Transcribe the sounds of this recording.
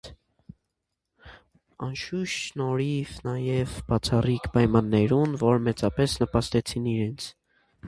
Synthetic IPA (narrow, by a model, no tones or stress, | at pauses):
ɑnʃuʃnɔɾivnɑjɛvb̥ɑt͡sʰɑrikʰpɑjmɑnːɛɾunvɔɾmɛt͡sɑpɛsnəpɑst̪ɛt͡sʰiniɾɛnt͡sʰ